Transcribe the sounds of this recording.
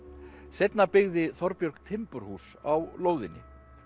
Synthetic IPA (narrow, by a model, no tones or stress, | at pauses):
sejt̪napɪɣðɪθɔɾpjœɾkt̪ʰɪmpʏɾ̥huːsawloːwðɪnːɪ̰